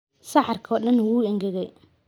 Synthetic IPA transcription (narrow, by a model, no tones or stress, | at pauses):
sɑħɑrkʰɔːɗɐnwuːɪŋɡɛɣɛj